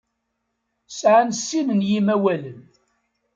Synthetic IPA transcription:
sʕansːimənjimæwæləm

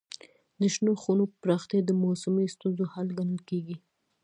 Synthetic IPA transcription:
d̪əʃnoxunopɾɑxt̪jad̪əmosamist̪unzohalɡanəlkeɡi

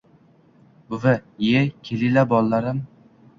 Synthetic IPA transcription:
bʊvɪjekʲʰelɪlabɒlˠːaɾɪm

